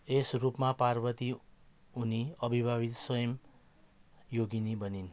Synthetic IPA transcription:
esrupmaparbʌt̪i | uniʌbʱibʱabit̪sʌjʌm | joɡinibʌnin

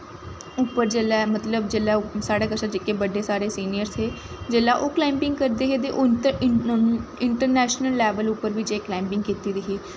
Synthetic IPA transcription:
ʊpːəɾd͡ʒeːlɛːmət̪ləbd͡ʒeːlaːsaːɽaːkəʃaːd͡ʒɪkːeːbəɖeːsaːɾeːsiːnijəɾsɦeː | d͡ʒeːlaːʔoːklaːɪmpɪ̃ŋɡkəɾd̪eːɦeːt̪eːʔoː | ɪɳʈəɾnɛːʃnəlːɛːʋəlʊpːəɾʋɪt͡ʃeːklaːmpɪŋɡkiːt̪iːd̪iːɦeː

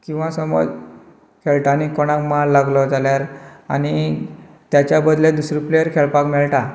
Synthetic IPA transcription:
kĩw̃ʋãsəmɔ̰d͡z | kʰeɭʈaːnikɔɽ̃ãkmalːaɡlɔtaljaɾa̰ni | t̪jat͡ɕjabəd̪led̪usɾiplejəɾkʰeɭpakmɛɭʈa

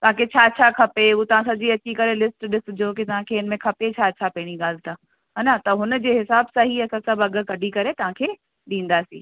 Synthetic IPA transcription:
t̪ɐʋɦãkʰet͡ɕʰaːt͡ɕʰakʰɐpeut̪ɐʋ̤ãsɐd͡ʑiɐt͡ɕikɐɾelɪsʈɗɪs̆d͡ʑoːkɪt̪ɐʋ̤ãkʰeɪnmẽkʰɐpet͡ɕʰaːt͡ɕʰapɛɦɪɽ̃iɠaːl̤ɪt̪ã | ɦanat̪ɐɦʊnə̆d͡ʑeːɦɪsaːbsãɦiɐsãsɐbɐɠəkɐɖʱikɐɾet̪ɐʋ̤ãkʰeː | ɗĩːn̆d̪aːsḭ̃ː

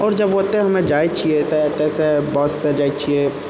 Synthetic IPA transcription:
ɔːɾd͡ʒɐbʋot̪eɦɦɐmẽd͡ʒaːit͡ʃʰiet̪ot̪eːsebɔːsːed͡ʒaːit͡ʃʰie

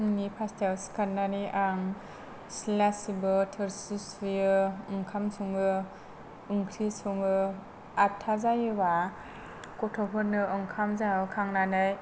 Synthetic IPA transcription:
ŋnipʰastalskanːaniʔaŋ | silasibɯtʰɯɾsisijɯɯŋkʰamsʰuŋɯ | ɯŋkʰɾisɔŋɯ | atʰːazajɯwa | kɔtʰɔpʰɯɾnɯɯŋkʰamzaɯkʰaŋnanɯj

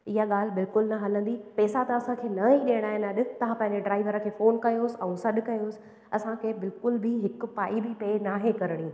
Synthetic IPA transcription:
ɪɦaɠaːl̤ɪbɪlkʊlnɐɦɐlə̃nd̪ipɛːsat̪ɐɐsãkʰeːnɐiɗeːəɽ̃aːɦɪnɐɗɪ̆t̪ɐʋ̤ãpɐ̃ɦɪ̃ɲd͡ʑeɖɾaːɪʋəɾə̆kʰeːfoːnkɐjoːsɪɛ̃ũsɐɗʊ̆kɐjoːsɪ̥̆ | ɐsãkʰebɪlkʊlbɪɦɪkʊ̆paːibɪpeːnaːɦekɐɾəɽ̃ĩ

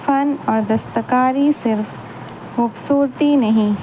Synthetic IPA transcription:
fɐnɔːɾd̪ɐst̪əkaːɾisɪɾf | xuːbsuːɾt̪inɐɦĩ

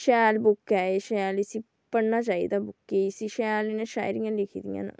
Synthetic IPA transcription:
ʃɛːlbʊkːɛːeʃɛːlisiː | pəɽnaːt͡ʃaːḭːd̪aːbʊkːesiːʃɛːlenãːʃa̰ːjɾijãlɪkʰid̪ḭjã̰ːn̰ː

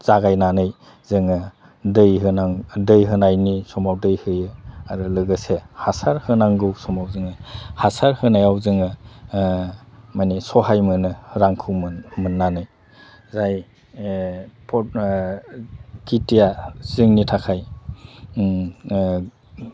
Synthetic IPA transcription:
z̥aɡajnanɯj | zɯŋɯ | dɯjɦɯnaŋdɯjɦɯnajnisɔmawdɯjhɯjɯaɾɯlɯɡɯsehasaɾhɯnaŋɡɯwsɔmawzɯŋɯhasaɾhɯnajawzɯŋɯ | majnisɔɦajmɯnɯɾaŋkʰɯwmmɯnːanɯj | zaj | pʰɔ | kitijaz̥ɯŋnitʰakʰaj

